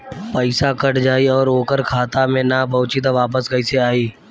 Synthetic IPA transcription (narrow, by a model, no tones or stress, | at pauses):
pəɪsakəʈd͡ʒaːiɔːɾoːkəɾkʰaːt̪amẽnapəʊt͡ʃit̪aʋaːpəsɡəɪseaːiː